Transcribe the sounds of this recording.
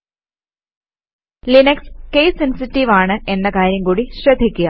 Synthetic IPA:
linɐkskejsensitːiʋaːɳɨʔe̞nːɐkaːɾjɐŋkuːɽiɕrɐd̪ʱːikʲːuɣa

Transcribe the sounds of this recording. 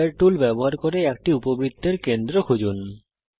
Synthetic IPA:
eɾʈulbɛboɦaɾkoɾeɛk̚ʈiupobɾid̪ʰʱːeɾkend̪ɾokʰod͡ʑon

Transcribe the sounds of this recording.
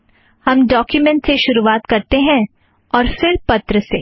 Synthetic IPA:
hɐmɖɔːkjumɛ̃ɳʈseʃʊɾuʋaːt̪kɐɾt̪eɦɛ̃ | ɔːɾfɪɾpɐt̪ɾəseː

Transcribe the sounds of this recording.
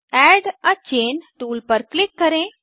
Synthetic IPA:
ɛɖat͡ʃeːnʈuːlpəɾklɪkːəɾẽ

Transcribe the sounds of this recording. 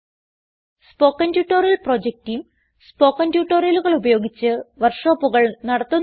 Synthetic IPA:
spo̞ːkːɐndjuːʈːoɾjɐlpro̞ːd͡ʑek̚tijm | spo̞ːkːɐndjuːʈːoːrjɐluɣɐɭubɐjo̞ːɡit͡ɕːɨʋɐrʂoːpːuɣɐɭnɐɽɐt̪ːun

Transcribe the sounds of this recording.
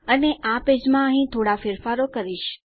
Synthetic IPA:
əneʔaped͡ʒmãəɦĩt̪ʰoɽafɪɾfaɾokəɾiʃ

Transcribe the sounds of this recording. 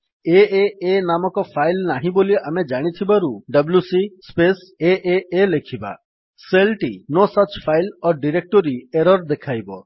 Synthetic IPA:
eeenamɔkɔpʰajlnaɦĩboliamed͡ʒaɽ̃it̪ʰibaɾuɖəbljusispeseʔeelekʰiba̰ | selʈinɔsɔt͡ʃpʰajlɔɖiɾek̚ʈɔɾieɾɔɾd̪ekʰajbɔ

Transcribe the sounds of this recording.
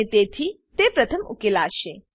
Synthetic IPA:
et̪et̪ʰi | t̪epɾɐt̪ʰəmṵkelaːʃe

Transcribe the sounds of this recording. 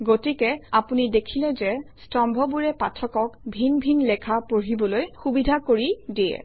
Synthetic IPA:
ɡotikɛapunidekʰilɛzɛstɔmbʱɔbuɹɛpatʰɔkɔkbʱinbʱinlɛkʰapoɹibɔlojxubidʱakoɹidiɛ̰

